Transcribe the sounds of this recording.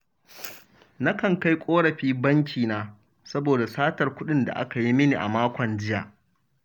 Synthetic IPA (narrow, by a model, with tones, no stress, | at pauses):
na˦kɐ˨ŋka˦jkʷʼoː˦ɽɐ˨ɸiː˦bɐ˦ŋk̬ʲʰiː˨naː˦ | sɐ˦boː˨da˨saː˦tɐ˨rkʷʊ˦ɗɪ˦nda̰˨ʔa̰˦ka˨ji˦mɪ˦ni˨ʔa̰˨maː˦kʷɔ˨nd͡ʒɪ˦ja̰ː˨ʔ